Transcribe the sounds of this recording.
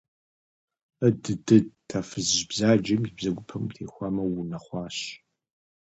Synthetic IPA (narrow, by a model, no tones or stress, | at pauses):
ədɨdɨtʰafɨzʒbzaːd͡ʒɐmibzɐɡʷʊpʰɐmtʰeːxʷɑːmɐwunɐχʷɑːɕ